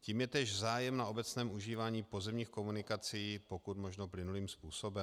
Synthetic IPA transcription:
ciːmjɛt̪ɛːʒzaːjɛmnao̞bɛt͡snɛːmʔuʒiːvaːɲiːpo̞zɛmɲiːxko̞munɪkat͡sijiːpo̞kut̪mo̞ʒnoplɪnuliːmspuːso̞bɛm

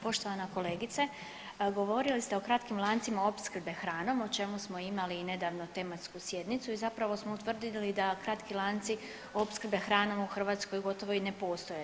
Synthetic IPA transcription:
po̞ʃt̪o̞ʋanako̞le̞ːɡit̪se | ɡo̞ʋo̞ɾilist̪e̞o̞kɾat̪kimlˠaːnt̪simao̞pskr̩bexɾaːno̞mot͡ʃe̞musmo̞imaline̞d̪aːʋnot̪e̞mat̪skusje̞d̪nit̪suizapɾaʋo̞smo̞ut̪ʋr̩d̪ilid̪akɾat̪kilˠaːnt̪si | opskɾ̩bexɾaːno̞muxr̩ʋaːt̪sko̞jɡo̞t̪o̞ʋo̞ine̞po̞ːst̪o̞je

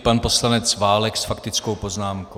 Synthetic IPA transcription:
panpo̞slanɛt͡svaːlɛksfakt̪ɪt͡skowpo̞znaːmko

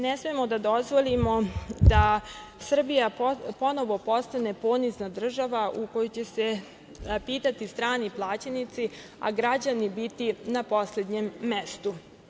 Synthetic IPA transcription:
nesmemo̞d̪ad̪o̞zʋo̞limo̞d̪asr̩bijapo̞no̞ʋo̞po̞st̪ane̞poniznad̪r̩ʒaʋaʔuko̞jot͡ɕe̞se̞ | piːt̪at̪ist̪ɾaːniplˠaːt͡ɕenit̪si | a̰ɡɾad͡ʑanibit̪inapo̞sle̞d̪ɲemːe̞st̪u

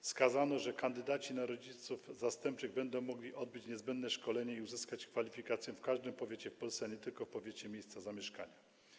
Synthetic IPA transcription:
skazanɔʐɛkand̪ɘd̪at͡ɕinaɾɔd͡ʑit̪sufzast̪ɛmp̚t͡ʂɘɣbɛnd̪ɔ̃w̃mɔɡlʲiʔɔd̪̚bɘt͡ɕɲɛzbɛnd̪nɛʂkɔlɛɲɛiuzɘskat͡ɕkfalʲifʲikat̪sʲjɛfkaʐd̪ɨmpɔvʲjet͡ɕɛfpɔlsɛaɲɛt̪ɘlkɔfpɔvʲjet͡ɕɛmʲjejst̪sazamʲjɛʂka̰ɲa

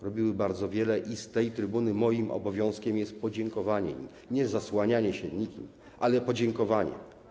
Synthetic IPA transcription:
ɾɔbʲiwɘbaɾd̪zɔvʲjɛlɛʔist̪ɛjt̪ɾɘbunɘmɔjimɔ̰bɔvʲjɔ̃w̃skʲɛmjɛst̪̚pɔd͡ʑɛŋkɔvaɲɛḭ | ɲɛzaswaɲaɲɛɕɛɲikʲḭm | ʔalɛpɔd͡ʑɛŋkɔvaɲɛ̰

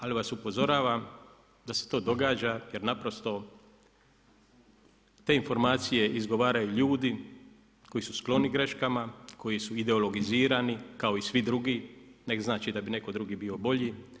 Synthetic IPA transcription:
aliʋasupo̞zo̞ɾaːʋam | d̪aset̪o̞ːd̪o̞ɡaːd͡ʒaje̞ɾnapɾo̞st̪o̞ | t̪e̞info̞ɾmaːt̪sije̞ʔizɡo̞ʋaːɾajuʎuːd̪i | ko̞jisusklˠo̞niɡɾe̞ʃkamakʰo̞jisuid̪e̞olo̞ɡiziːɾanikao̞isʋid̪ɾuɡinekznaːt͡ʃid̪abine̞ko̞d̪ɾuɡibiːo̞bo̞ʎi

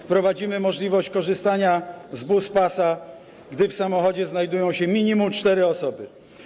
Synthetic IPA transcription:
fpɾɔvad͡ʑimɘmɔʐlʲivɔɕt͡ɕkɔʐɘst̪aɲazbuspasa | ɡd̪ɘfsamɔxɔd͡ʑɛznajd̪ujɔ̃w̃ɕɛmʲiɲimumt͡ʂt̪ɛɾɘɔsɔbɘ

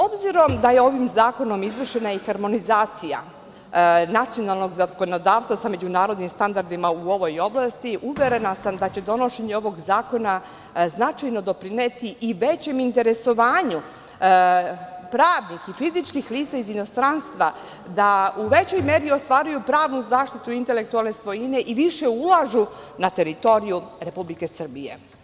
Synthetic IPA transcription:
o̞bziɾo̞md̪ajeo̞ʋimzaːko̞no̞mizʋr̩ʃe̞naixaɾmo̞nizaːt̪sija̰ | nat̪sio̞nalˠno̞ɡzako̞no̞d̪aːʋst̪ʋasame̞d͡ʑunaːɾo̞d̪nimst̪and̪aɾd̪imauo̞ʋo̞jo̞blˠast̪iʔuʋe̞ɾe̞nasamd̪at͡ɕe̞d̪o̞no̞ʃe̞ɲe̞o̞ʋo̞ɡzaːko̞na | znat͡ʃajno̞d̪o̞pɾinet̪iʔiʋet͡ɕe̞mint̪e̞ɾe̞so̞ʋaːɲu | pɾaːʋnixifizit͡ʃkixliːt̪saizino̞st̪ɾanst̪ʋa | d̪auʋe̞t͡ɕo̞jmeːɾio̞st̪ʋaːɾujupɾaːʋnuzaːʃt̪it̪uint̪e̞le̞k̚t̪ualˠne̞sʋo̞jine̞ʔiʋiʃe̞ulˠaʒu | nat̪e̞ɾit̪o̞ɾijuɾe̞publike̞sr̩bije̞̰

